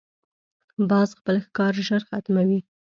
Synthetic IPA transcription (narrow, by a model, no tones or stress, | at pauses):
bɑzxpəlxkɑɾʒəɾxat̪mawi